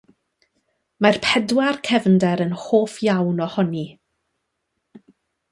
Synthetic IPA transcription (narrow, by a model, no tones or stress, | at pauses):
marpʰɛdwarkʰɛvndɛɾənhoːfjawnɔhɔni